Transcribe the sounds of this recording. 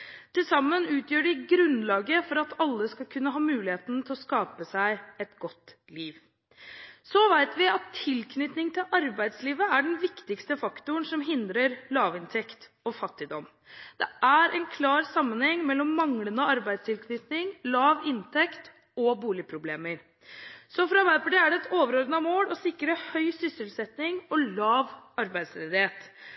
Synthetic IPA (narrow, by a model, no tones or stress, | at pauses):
t̪ʰɪlsɑmːənʉːt̪ʰjøːɖɪɡɾʉnlɑːɡəfɔɾɑt̪ɑlːəskɑlkʰʉnːəɦɑːmʉːlɪheːt̪n̩t̪ʰɪlɔskɑːpəsæɪɛt̪ɡɔt̪ː | liːʋ | sɔʋæɪt̪ʋɪɑt̪ʰːɪlkʰnʏt̪nɪŋt̪ʰɪlʔɑɾbæɪd̪sliːʋəæɖɛnʋɪkt̪ɪkst̪əfɑkt̪ʊəɳsɔmɦɪnd̪ɾəɾlɑːʋɪnt̪ʰɛkt̪ | ɔfɑt̪ːɪd̪ɔm | d̪̥ɛæɾʔɛ̰nkʰlɑːɾsɑmːənhɛŋːmɛlːɔmːɑŋlənəɔɑɾbæɪd̪st̪ʰɪlkʰnʏt̪nɪŋlɑːʋɪnt̪ʰɛkt̪ | ɔbuːlɪpʰɾʊbleːməɾ | sɔfɾɑʋæpʰɑɖeːæɖɛɛt̪oːʋəɾɔɾd̪nɑmoːlɔsɪkːɾəhœʏsʏsəlsɛt̪nɪŋɔlɑːʋɑɾbæɪd̪sɾɛd̪ɪheːt̪